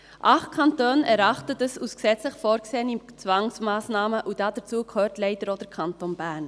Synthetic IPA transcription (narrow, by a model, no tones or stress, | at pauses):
ʔɑχkʰɑntøːnɛɾɑχtətəsusksɛt͡sləχfɔːɾɡseːənit͡sʋɑŋsmɑːsnɑːməʔud̥ɑd̥ət͡suːkʰhøːɾtlɛɪtəɾɔd̥əɾkʰɑntonbæːɾn